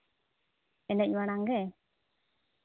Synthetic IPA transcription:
ɛnɛc̚ˀwaɽ̃aŋɡɛ

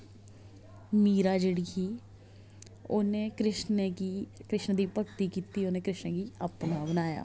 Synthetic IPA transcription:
miːɾaːd͡ʒeːɽiːkʰiː | oːneːkɾɪʃnkikɾɪʃnd̪iːpəkt̪iːkiːt̪iːoːneːkɾɪʃnkiːapnaːbənaːja̰ː

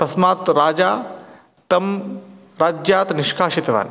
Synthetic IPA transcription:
pɐsmaːt̪ɾaːd͡ʒaː | t̪ɐm | ɾaːd͡ʒjaːt̪nɪʃkʰaːʃit̪ʋa̰ːn

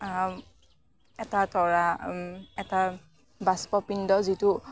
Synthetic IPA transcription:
ɛtatɔɹa | ɛta | baspɔpindɔzitʊ

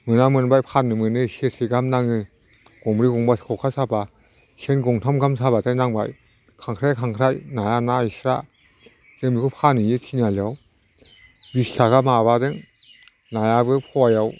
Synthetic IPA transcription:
mɯnamɯnbajpʰanːɯmɯnɯsesʰeɡamnaŋɯ | ɡ̥ɔŋɾiɡɔŋbaskʰɔkʰasaba | senɡɔŋtʰamɡamsabatajnaŋbaj | kʰaŋkʰɾajkʰaŋkʰɾajnajanaisɾa̰ | z̥ɯmikʰupʰanɯjɯtʰinaliaw | bistʰaɡamaβadɯŋ | najabɯpʰɔwajaw

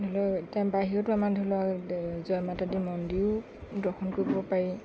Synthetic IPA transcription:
dʱɔlɔtabaɦiɹɔtʊamadʱulɔazɔjmatadimɔndiʊ | dɔxʰɔnkoɹibɔpaɹi

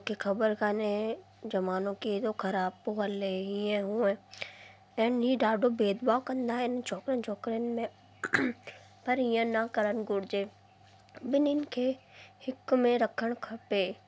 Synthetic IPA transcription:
kikʰɐbəɾkane | d͡ʒɐmaːnõkit̪okʰɐɾaːb̚poɦəlːeɦiɛ̃ɦũẽ | ɛːniɖaːɖobeːd̪baːwkɐ̃nd̪aɪnet͡ʃɔːkɾent͡ʃʰɔːkɾenmẽ | pɐɾijãnakəɾənɡʊɽd͡ʒeː | bɪnɪnkʰehɪkːmẽɾɐkʰəɳ̃kʰɐpeː

